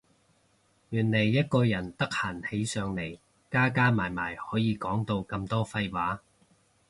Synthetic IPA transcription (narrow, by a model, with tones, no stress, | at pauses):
jyː˨˩nle˨˩jːɐ˥t̚kɔː˧jɐ˨˩nt̪ɐ˥k̚haː˨˩nhe˨˧jsœː˨˧ŋle˨˩j | kaː˥kaː˥maː˨˩jmaː˨˩jhɔː˨˥jiː˨˧kɔː˨˥ŋt̪o˧wkɐ˧mt̪ɔː˥fɐ˧jwaː˨˥